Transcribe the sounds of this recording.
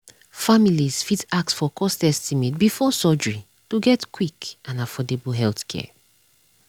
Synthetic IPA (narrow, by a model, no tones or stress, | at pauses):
familiz̥fitak̚tsfɔkʰɔstɛstimit̚bifɔsɔd͡ʒɹi | tuɡɛtkʰwikãnafɔdeblɦɛlθkʰɛ̰